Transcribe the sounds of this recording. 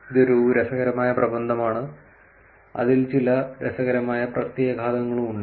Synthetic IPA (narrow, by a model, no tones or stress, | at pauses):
iðoɾuɾesɐɣɐɾɐmaːjɐprɐbɐnd̪ʱɐmaːɳɨ | ɐ̰ðilt͡ɕilɐɾesɐɣɐɾɐmaːjɐprɐt̪jeːjɐɡʱaːt̪ɐŋːɐɭumuɳɖɨ